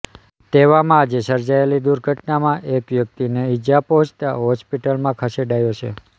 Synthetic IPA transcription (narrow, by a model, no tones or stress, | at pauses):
t̪eʋamãːd͡ʒesəɾd͡ʒaelid̪uɾɡʱəʈnamãʔekʋjək̚t̪ineɪd͡ʒapɔɦɔ̃t͡ʃt̪a̰ɦɔspiʈəlmãkʰəseɖajot͡ʃʰḛ